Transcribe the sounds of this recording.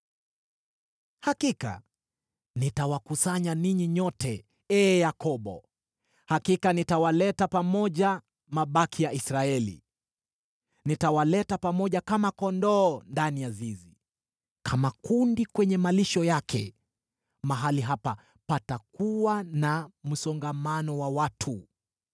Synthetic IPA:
hakika̰ | nitawakusaɲaniɲiɲɔtɛ | ɛːjakɔɓɔ̰ | hakikanitawalɛtapamɔʄa | maɓakʰijaisɾaɛlḭ | nitawalɛtapamɔʄakamakɔndɔːndanijazizi | kʰamakundikwɛɲɛmaliʃɔjakʰɛ̰ | maɦaliɦapa | patakuwanam̩sɔŋɡamanɔwawatʰu

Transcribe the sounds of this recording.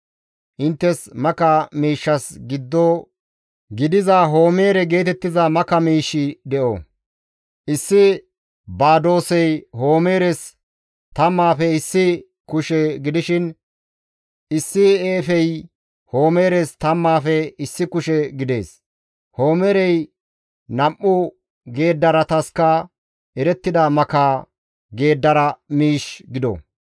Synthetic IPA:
ʔɪnt̪ːɛsmɐkɐmiːʃːɐsɡɪd̪ːɔ | ɡɪd̪ɪzɐɦo̞ːme̞ːɾɛɡe̞ːt̪ɛt̪ːɪzɐmɐkɐmiːʃɪd̪ɛʔɔ̰ | ʔɪsːɪ | baːd̪o̞ːsɛjho̞ːme̞ːɾɛs | t̪ɐmːaːfɛɪsːɪ | kʊʃɛɡɪd̪ɪʃɪn | ɪsːɪeːfɛj | ho̞ːme̞ːɾɛst̪ɐmːaːfɛɪsːɪkʊʃɛɡɪd̪e̞ːs | ho̞ːmeːɾɛj | nɐmʔʊ | ɡe̞ːd̪ːɐɾɐt̪ɐskːɐ | ʔɛɾɛt̪ːɪd̪ɐmɐkaː | ɡe̞ːd̪ːɐɾɐmiːʃɡɪd̪ɔ̰

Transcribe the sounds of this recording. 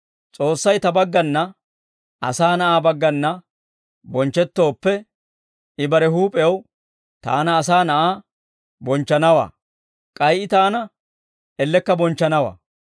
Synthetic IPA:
t͡sʼo̞ːsːɐjt̪ɐbɐɡːɐnːɐ | ʔɐ̰saːnɐʔaːbɐɡːɐnːɐ | bɔnt͡ʃːɛt̪ːo̞ːpːɛ | ɪbɐɾɛɦuːpʼɛw | t̪a̰ːnɐːsaːnɐʔaː | bɔnt͡ʃːɐnɐwa̰ː | kʼɐjʔɪt̪aːnɐ | ɛlːɛkːɐbɔnt͡ʃːɐnɐwa̰ː

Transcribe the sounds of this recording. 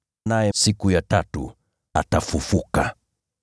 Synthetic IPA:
najɛsikujatatṵ | atafufuka

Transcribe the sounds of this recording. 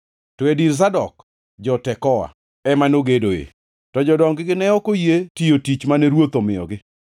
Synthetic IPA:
tɔediɾs̬adɔk | d͡ʒɔtɛkɔwa̰ | ɛmanoɡedoḛ | tɔd͡ʒɔdɔŋɡɪɡɪnɛɔkojetijotit͡ʃmanɛɾwot̪omɪɔ̰ɡɪ

